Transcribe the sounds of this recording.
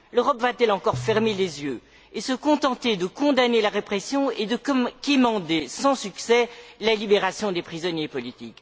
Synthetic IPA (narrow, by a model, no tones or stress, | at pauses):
løʁɔpvat̪ɛlɑ̃kɔʁfɛʁmelezjø | esəkɔ̃t̪ɑ̃t̪ed̪əkɔ̃d̪anelaʁepχɛsjɔ̃ed̪əkkimɑ̃d̪esɑ̃syksɛlalibeʁasjɔ̃d̪epχizɔnjepɔlit̪ik